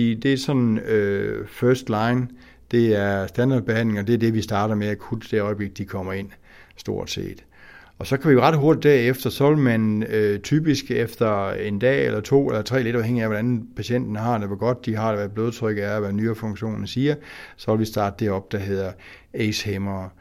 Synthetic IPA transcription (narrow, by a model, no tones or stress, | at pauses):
ḭd̥e̝æɐsɒ̽n̩øfɶɐsd̥lɑ̈ɪn | d̥e̝æɐsd̥ænd̥ɑ̈ːd̥̚b̥e̝hæn̰le̝ŋɒ̽d̥e̝æɐd̥e̝ʋisd̥ɑ̈ːɾ̥ɐmeækʰud̥d̥e̝ɒ̽ɪb̥le̝ɡ̥̚d̥d̥ikʰɒ̽m̰ɐe̝n̰ | sd̥o̝ɐ̰d̥se̝̰ːd̥ | ɒ̽sɒ̽kʰæʋiʁɑ̈d̥ɦoɐd̥id̥æɐefd̥ɐsɒ̽ʋelmænøt͡sʰyːb̥isɡ̥efd̥ɐe̝nd̥ɛ̰ːelɐt͡sʰo̝̰ːelɐt͡sʰʁɛ̰ːle̝ɾɑ̈ʊɦeŋ̰iæʋɒɾ̥æn̩pʰæɕen̰d̥ɐnəɦɑ̈d̥eʋeɡ̥ɒ̽d̥̚ːihɑ̈dʋæb̥loːð̞ˠt͡sʰʁœɡ̥əæɐʋænyːɐfɔ̽ŋɕo̝̰ːnn̩siːɐsɒ̽ʋelʋisd̥ɑ̈ːd̥əd̥eɒ̽b̥̚d̥æɦe̝ð̞̰ˠɐ | eshemɐ